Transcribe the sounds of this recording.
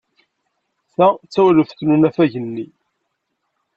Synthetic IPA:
θæt͡sːæwləθθnunæfæʝənːi

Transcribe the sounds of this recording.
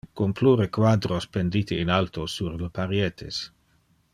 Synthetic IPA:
kompluɾekwad̪ɾospend̪it̪iːnalt̪osuɾlpaɾjet̪ʰḛs

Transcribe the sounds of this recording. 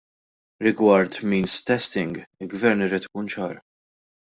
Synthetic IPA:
ɾɪɡwɐɾt̪miːnst̪ɛst̪ɪŋɡɪlɡvɛɾnɪɾiːt̪ɪ̥kuːnt͡ʃɐːɾ

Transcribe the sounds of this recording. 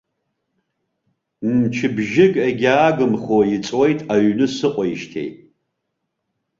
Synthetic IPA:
nt͡ʃʰɪbʒɪkʼeɡʲaːɡɨmχojit͡sʼwejtʼaɥnɨsɨqʷʼɔjiʃtʰḛjʼ

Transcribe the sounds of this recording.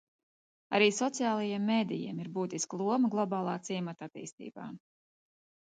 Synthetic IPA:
a̰ɾiːsɔt̪sijaːlˠajimːeːd̪ḭjḭɛmiɾbuːt̪isklˠuɔməɡlˠɔbɑːlˠɑːt̪siɛmat̪at̪ḭːst̪ḭːba̰ː

